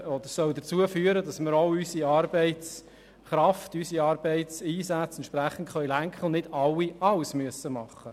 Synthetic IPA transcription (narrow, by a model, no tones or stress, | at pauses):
ɔd̪əɾsœwd̪ət͡suəfyːəɾədɑsmɪɾoʊysiɑːɾbɛɪt͡s | χɾɑftysiɑːɾbeɪt͡siːsæt͡sɛntʃpɾæχən̩tχœʏlæŋkχəl̩nɪd̥ɑwːiɑwsmyəsəmɑχːə